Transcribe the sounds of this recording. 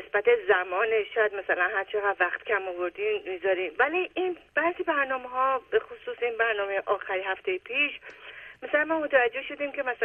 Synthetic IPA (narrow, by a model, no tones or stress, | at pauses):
esbæt̪e̞zæmɒːneʃɒːjæd̪mæsælænhæɾt͡ʃʰe̞ɣæd̪væxt̪cʰæmovoɾd̪iːnmizɒːɾiːmvæliʔinb̥æːzibæɾnɒːmeɦɒːbexosuːsinbæɾnɒːme̞jeʔɒːxæɾiɦæft̪ʰejepʰiːʃmæsælænmɒːmot̪ʰævæd͡ʒːe̞hʃo̞d̪iːmcʰe̞mæsæ